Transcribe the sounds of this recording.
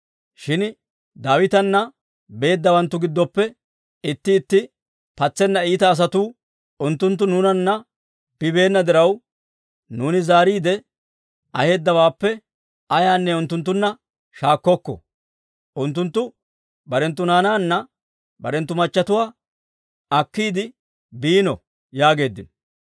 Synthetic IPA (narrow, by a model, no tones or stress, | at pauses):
ʃɪn | d̪aːwɪt̪ɐnːɐ | be̞ːd̪ːɐwɐnt̪ːʊɡɪd̪ːɔpːɛ | ɪt̪ːɪːt̪ːɪ | pɐt͡sːɛnːɐiːt̪ɐːs̬ɐt̪uː | ʔʊnt̪ːʊnt̪ːʊnuːnɐnːɐ | b̥ɪbe̞ːnːɐd̪ɪɾɐw | nuːnɪzaːɾiːd̪ɛ | ʔɐhe̞ːd̪ːɐwaːpːɛ | ɐjaːnːɛʊnt̪ːʊnt̪̬ːʊnːɐ | ʃaːkːɔkːɔ̰ | ʔʊnt̪ːʊnt̪ːʊ | bɐɾɛnt̪ːʊnaːnaːnːɐ | bɐɾɛnt̪ːʊmɐt͡ʃːɐt̪ʊwaː | ɐkːiːd̪ɪ | biːnɔ | jaːɡe̞ːd̪ːɪnɔ